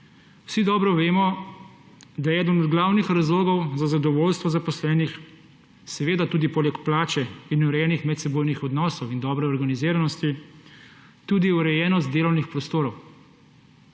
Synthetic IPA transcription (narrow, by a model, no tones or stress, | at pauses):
wsid̪ɔːbɾɔʋeːmɔ | d̪ajɛɛːd̪ənɔd̪ɡlaːwnixɾazloːɡɔwzazad̪ɔʋoːlst̪ʋɔzapɔslɛːnix | sɛʋeːd̪at̪uːd̪ipoːlɛkplaːt͡ʃɛinuɾɛjɛnixmɛt̪sɛboːjnixɔd̪nɔːsɔwind̪ɔːbɾɛɔɾɡaniziːɾanɔst̪i | t̪uːd̪iuɾɛjɛːnɔs̬t̪̚d̪eːlɔwnixpɾɔst̪oːɾɔw